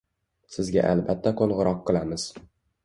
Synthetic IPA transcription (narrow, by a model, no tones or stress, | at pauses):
sɪzɡʲa̰ʔa̰lbat̪ʰːaqʰolˠʁɨɾɒqːɨlˠamɪz̥